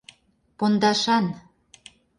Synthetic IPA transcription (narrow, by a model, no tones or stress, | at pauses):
pond̪ɑʃɑn